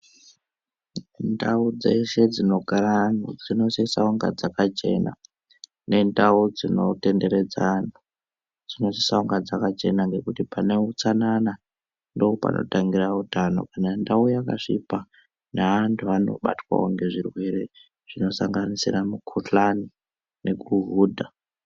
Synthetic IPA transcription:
ndaud͡zese̞d͡zino̞ɡʱaɾanud͡zino̞sisauŋɡa̰d͡zakat͡ʃe̞̰na̰ | ne̞ndaud͡zino̞te̞nde̞ɾe̞d͡zanu | d͡zino̞sisauŋɡad͡zakat͡ʃe̞naŋɡe̞kutipane̞ut͡sanana | ndo̞opa̰nʔo̰taŋɡirautano̞̰kanandaujaka̰ʂḭpa | naʋantʰuano̞̰ɓa̰twa̰woŋɡe̞ʐirwe̞ɾe̞ | ʐ̥ino̞saŋɡanisiramukʰuɬani | ne̞kuɦuːdʱa

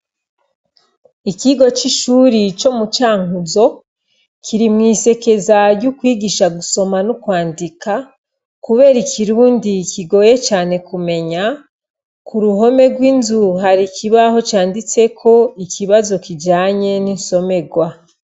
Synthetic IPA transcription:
ikiɡo̞t͡ʃiʃuːɾit͡ʃo̞mut͡ʃaːŋuzo̞ | kʰiɾimŋiːse̞ke̞zajukwiːɡiʃaɡuso̞manukwaːndika | kuβe̞ːɾikiɾuːndikiɡo̞ːje̞t͡ʃaːne̞kume̞ɲa | kuɾuɦo̞me̞ɡwinzuɦaɾikʰiβaho̞t͡ʃaːndit͡se̞kʰo̞ikiβazo̞kid͡ʒaːɲe̞ninso̞me̞ɡwa

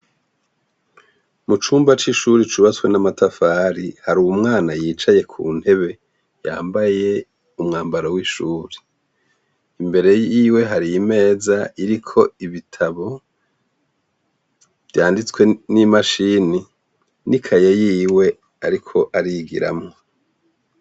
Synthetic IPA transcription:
mut͡ʃuːmbat͡ʃiʃuɾit͡ʃuβat͡swe̞namatafaɾihaɾuwumŋaːnajiːt͡ʃaje̞kʰṵːn̥he̞βe̞ | ja̰ːmbaje̞ | umŋaːmbaɾowiʃuːɾi̥ | imbe̞ɾe̞jiːwe̞ɦaɾijime̞ːzaiɾikʰo̞iβitʰaβo̞ | βjaːndit͡swe̞nimaʃini | nikʰajejiːwe̞ | aɾikʰo̞ʔaɾiɡḭɾa̰mŋo̞

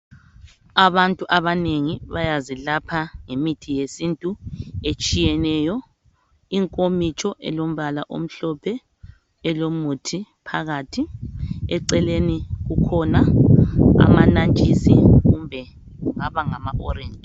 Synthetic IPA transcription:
aβantʼuʔaβaneŋiβajazilapʰaŋemitʰijesintʼuet͡ʃʼijɛnɛjɔ | iŋkʼomit͡ʃʰʼɔʔɛ̰lom̩βalaʔo̰m̩ɬɔpʰɛ | ɛlomutʰipʰaɣatʰiɛǀɛleniɣukʰɔna | a̰manant͡ʃʼisiɣumbʱɛ | ŋaβaŋamaʔɔɾɛːnd͡ʒʱʼ

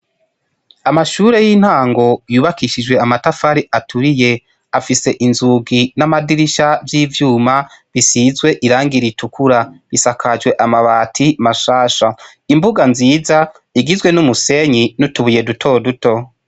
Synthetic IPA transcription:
amaʃuːɾe̞jin̥haːŋɡo̞juːβakiʃid͡ʒwe̞amatafaɾiʔatʰuɾije̞ | afise̞ʔinzuɡinamadiɾiʃavjiːvjuːmaβisizɡwe̞ʔiɾaːŋɡiɾitukʰuɾaβisakʰad͡ʒwe̞ʔamaβaːtʰimaʃaːʃa | imbuɡanziːza | iɡizwe̞numuse̞ɲinutuβuje̞dutʰo̞ːduto̞

